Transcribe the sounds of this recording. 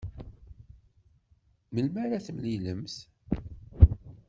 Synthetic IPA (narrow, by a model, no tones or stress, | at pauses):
məlmæɾæθəmliləmθ